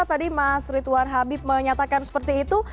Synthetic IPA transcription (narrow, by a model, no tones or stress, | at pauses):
at̪adimasɾit̪uanɦabɪp̚məɲat̪akansə̥pərt̪iːt̪u